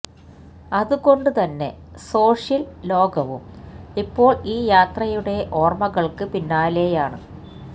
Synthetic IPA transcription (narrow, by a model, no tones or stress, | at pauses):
ɐðuɣo̞ɳɖut̪ɐnːe̞̰ | so̞ːʂjɐllo̞ːɡɐʋumipːo̞ːɭiːjaːt̪rɐjuɽe̞ʔo̞ːrmɐɣɐɭkɨpinːaːle̞ːjaːɳɨ